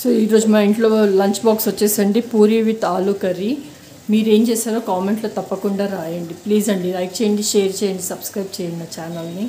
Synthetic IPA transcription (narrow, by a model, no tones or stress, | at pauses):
soːiːɾo̞ːd͡ʒumaːiɳʈlo̞ːlɐɲt͡ʃbaːksʋɐt͡ʃːeːsaɐɳɖipuːɾiʋit̪ːaːlukɐɾi | miːɾe̞ːmt͡ʃeːsaːɾoːkaːmeɳʈloːt̪ɐpːɐkuɳɖaːɾaːjɐɳɖipliːzɐɳɖilɐjk̚t͡ʃeːjɐɳɖiʃeːɾt͡ʃɛːjɐɳɖisɐbskɾɐjp̚t͡ʃɛːjɐninat͡ʃaːnɐlni